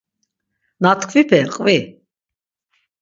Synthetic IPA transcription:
nat̪ʰkʰvipʰɛqʼvi

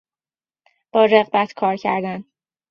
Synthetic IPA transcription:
b̥ɒːɾeɣbæt̪ʰkʰɒːɾcʰæ̰ɾd̪æn

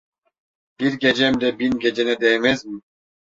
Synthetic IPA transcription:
b̥iɾɡɛd͡ʒɛmd̪ɛbinɡɛd͡ʒɛnɛd̪ɛmezbu

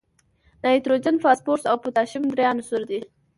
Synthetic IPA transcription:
nɑjt̪ɾod͡ʒanfɑspoɾsawput̪ɑʃɪmd̪ɾjɑnosʊɾd̪i

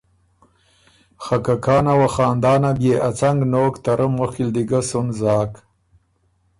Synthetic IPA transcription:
xakakɑːnawaxɑːnd̪ɑːnabjeʔat͡saŋɡnoːkt̪aɾʔəmːoxild̪iɡasunzɑːk

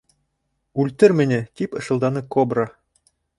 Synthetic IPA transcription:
ʉlʲt̪ɘ̆ɾmʲɘ̆nʲɘ̆t̪ʲipɤ̆ʃɤ̆lˠd̪ɑnɤkobrɑ

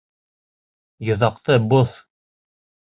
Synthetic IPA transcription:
jŏðɑqt̪ɤboθ

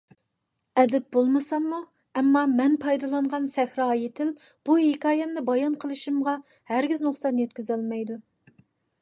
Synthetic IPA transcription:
ɛd̪ɛp̚bolˠmɨsɑmːu | ɛmːɑmɛnpʰɑjd̪ɑlˠɑnʁɑnsɛxɾɑjet̪ʰɪl | b̥uhekʰɑːjɛmnɪbɑjɑnqʰəlˠɨʃimʁɑ | hæɾɡʲiznʊχsɑt̪jɛt̪kʲyzɛlmɛjd̪u

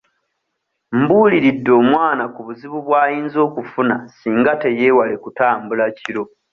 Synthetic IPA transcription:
mbuːliɾidːo̞ːmwaːnakuβuziβuβwaːjiːnzo̞ːkufunasiːŋɡate̞je̞ːwale̞kutaːmbulaciɾo̞

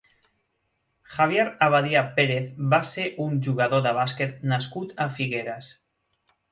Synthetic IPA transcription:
xaβ̞jeɾaβaðiapeɾeθbaseʔunʒuɣaðoðəβ̞asket̪̚naskut̪afiɣeɾas

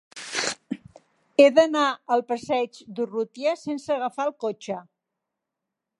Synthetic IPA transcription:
eðənaəlˠpəsɛd͡ʒd̪urut̪iəsensəɣəfalˠkot͡ʃə

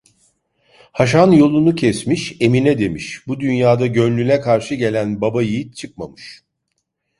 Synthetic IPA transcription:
haʃ̬anjo̞lˠunucʰɛsmiʃe̞minɛd̪e̞miʃbud̪ynjaːd̪aɟønlʲynʲɛkʰaɾʃɯɟe̞lʲænbabajijit̪t͡ʃʰɯk̚ma̰mɯʃ

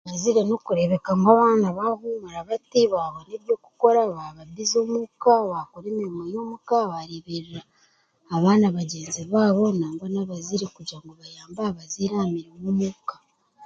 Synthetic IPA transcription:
βaziɾeno̞kuɾe̞βe̞kaŋɡaβaːnaβaɦumaɾaβatiβaːβoneːɾjo̞ːku̥ko̞ɾaβaβabizo̞ːmukaβakoɾeːmiɾimojo̞ːmukaβaɾiβiɾiɾaː | βaːnaβaɟeːnziβaːβo̞naːŋɡonaβaziɾekuɟaŋɡoβajaːmbaːβaziɾamiɾimomukḁ

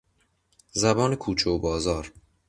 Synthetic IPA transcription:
zæbɒːnekʰuːt͡ʃʰobɒːzɒːɾ

